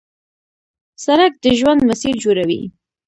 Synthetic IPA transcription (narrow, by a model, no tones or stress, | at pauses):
saɾak̚d̪əʒwand̪masiɾd͡ʒoɾawḭ